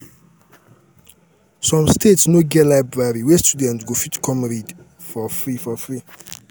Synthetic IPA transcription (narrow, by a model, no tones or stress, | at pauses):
sɔ̃mstʰetsnoɡɛlajbɹaɹiwɛstudɛ̃ntɡofitkʰɔ̃mɹid | fɔfɹifɔfɹi